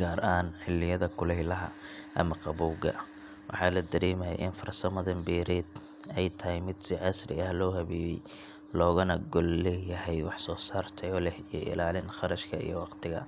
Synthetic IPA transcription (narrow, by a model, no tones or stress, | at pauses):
ɡaːɾʔaːnħɪlːɪjɐðɐkʰʊlɛjlɐɦɐ̰ʔɐmɐqɑβuːɡɐ̰ | wʔɑ̰ħɑːlɐd̪ɐɾɛːmɐjɐ̰ʔɪnfɐrsɐmɐðɐmbiːɾɛːd̪ | ɛjt̪ʰɐhɪjmɪd̪sɪʔɐsrɪ̰ɐhlɔːhɐβiːβɛj | lɔːɣʊnɐɡɔllɛjɐɦɛjwɑħsɔːsaːrt̪ʰɛjɔlɛhijɐ̰ʔɪ̰laːlɪnχɑɾɐʃkʰɐḭjɔwɑqt̪ʰɪɣɐ̰